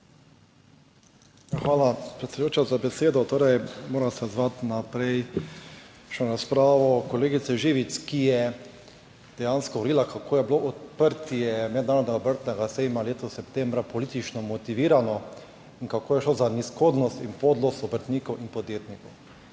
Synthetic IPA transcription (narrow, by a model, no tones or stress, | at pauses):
xʋaːlapɾɛt̪sɛd̪joːt͡ʃazabɛseːd̪ɔt̪oːɾɛjmoːɾasɛzʋat̪napɾɛj | ʃɛɾaspɾaːʋɔkɔleːɡit̪sɛʒiːʋiskijɛ | d̪̥ɛjaːnskɔʋɾiːlakʰakʰoːjɛbloʔɔt̪pəɾt̪ijɛmɛd̪naːɾɔd̪nɛɡaɔbəɾt̪nɛɡasɛjmaleːt̪ɔsɛpt̪ɛ̃mbɾapɔliːt̪it͡ʃnɔmɔt̪iʋiːɾanɔ | inkakoːjɛʃlozaniskoːd̪nɔst̪inpod̪lost̪ɔbəɾt̪niːkɔwʔinpɔd̪jeːt̪nikɔw